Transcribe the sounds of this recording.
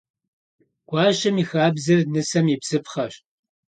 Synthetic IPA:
ɡ̥ʷɑːɕɐmiːxaːbzɨrnɨsɐmipsɨpχɐɕ

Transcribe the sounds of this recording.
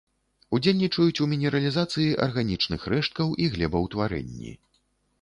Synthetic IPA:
ud͡zʲelʲnʲit͡ʂɐjut͡sʲumʲinʲɛɾɐlʲizat̪sɨjiʔɐ̰rɣanʲit͡ʂnɨxrɛʂt̪̚kɐwʔiɣlʲɛbɐwt̪vaɾɛ̰nʲːḭ

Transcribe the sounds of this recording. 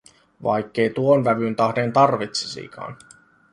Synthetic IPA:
ʋɑ̰jkːe̞jt̪uonʋæʋynt̪ɑhdent̪ɑrʋit̪se̥sḭːkʰɑ̰ːn

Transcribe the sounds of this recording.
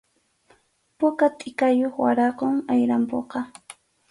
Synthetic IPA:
pʊkat̪ʼɪkajoχwaɾaqoŋajɾampoqɑ

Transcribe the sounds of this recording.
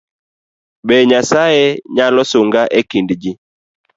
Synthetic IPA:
ɓɛɲasajeɲalɔsoŋɡaʔekindd͡ʒi

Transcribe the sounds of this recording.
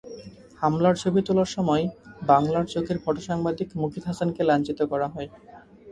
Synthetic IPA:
hamlaɾt͡ɕʰobit̪olaɾʃɔmɔebaŋlaɾt͡ɕokʰeɾfʰɔʈoʃaŋbad̪ikmukʰit̪ɦasankelant͡ɕit̪okɔɾaɦɔe

